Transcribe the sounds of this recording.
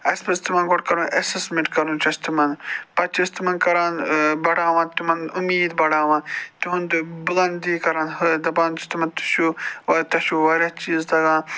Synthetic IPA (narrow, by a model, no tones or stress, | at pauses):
ɐspɐst̪umɐnɡoʈkɐɾũːʔɐsesmẽɳʈkɐɾũːt͡ʃɐst̪imɐnpɐt͡ʃist̪umɐnkɐɾãːnbɐɽaːʋãːt̪umɐnumiːd̪bɐɽaːʋãːnt̪uɦũnd̪bʊlɐ̃nd̪iːkɐɾãːnɦɐd̪ɐbaːnt͡ʃist̪umɐnt̪u̥ʃuːɐt̪ɐʃuʋɐɾʲɐt͡ʃiːzd̪ɐɡãː